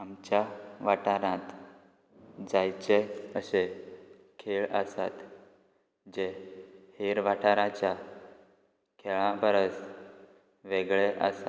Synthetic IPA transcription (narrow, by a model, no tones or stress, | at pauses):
amt͡ɕjaʋaʈaɾãt̪ | d͡zajt͡ɕeəse | kʰeɭəsa̰t̪ | d͡ʑeheɾʋaʈʰaɾãt͡ɕja | kʰeɭãbəɾəs | ʋeɡɭeʔə̰sa